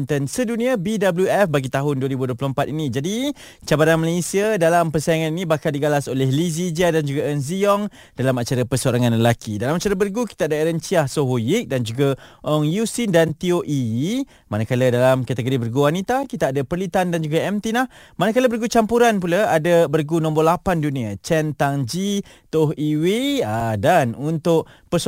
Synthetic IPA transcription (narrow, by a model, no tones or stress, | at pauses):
nt̪ənsədunĩabidabəljuɛfbaɡit̪aɦʊnduəɾibuduəplompat̪inĩd͡ʒadi | t͡ʃabaɾanmalesiədalampərsajaŋaninĩbahkaldiɡalasolɛhlizid͡ʒiadand͡ʒuɡaənziɔŋ | dalamat͡ʃaɾapəsəoɾaŋanləlakʰidalamat͡ʃaɾəbərɡuki̥t̪aːdaɾənt͡ʃiahsoɦojik̚dand͡ʒuɡaʔɔŋjusindant̪ioʔi | manakalədalamkat̪əɡoɾibərɡuwanit̪akit̪aadapərlit̪andand͡ʒuɡaɛmt̪inah | manəkaləbərɡut͡ʃampuɾanpulaadəbərɡunɔ̃mbɔrlapandunĩat͡ʃɛnt̪aŋd͡ʒi | t̪oɦiweadanunt̪ʊʔ | pəs